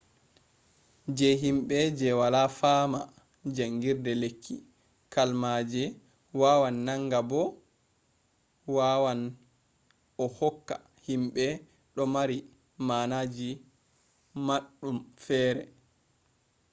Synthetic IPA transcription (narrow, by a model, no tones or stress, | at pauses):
d͡ʒɛɦimɓɛd͡ʒɛwalafaːma | d͡ʒaŋɡiɾdɛlekʰːi | kalmad͡ʒɛ | wawanːaŋɡabɔ | wawan | ɔhɔkːa̰ | himɓɛ | ɗɔmaɾi | manad͡ʒi | maɗːumfɛːɾɛ